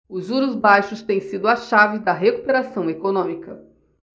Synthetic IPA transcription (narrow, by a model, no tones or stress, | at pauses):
ʊzuɾʊzbajʃʊst̪ẽj̃sid̪ʊɐʃavɪd̪ɐɦeku̥peɾasɐ̃w̃ekonõmikɐ